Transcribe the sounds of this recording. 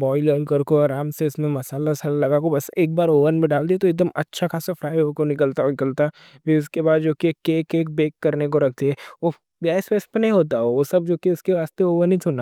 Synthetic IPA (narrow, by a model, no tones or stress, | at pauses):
bɔːiləːɾnkɐɾkoɐɾaːmseɪsmẽmɐsaːlasɐlalɐɡaːkobɐseːk̚baːɾoːʋənmẽɖaːld̪iet̪oek̚d̪əmɐtːʃʰakaːsafʰɾaːɪɦokonɪkəlt̪anɪkəlt̪a | biʊskebaːd̪d͡ʒoːkikeːkeːk̚beːkːɐɾnek̬oɾɐkʰt̪iɦɛːʋo | ɡɛːsweːspənɐɦĩɦoːt̪aoosɐb̚d͡ʒoːkiʊskeʋaːst̪eoːʋənĩt͡ʃʰʊnaː